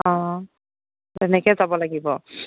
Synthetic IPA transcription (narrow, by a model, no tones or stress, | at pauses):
ɔ̃ | tɛnɛkɛzabɔlaɡibɔ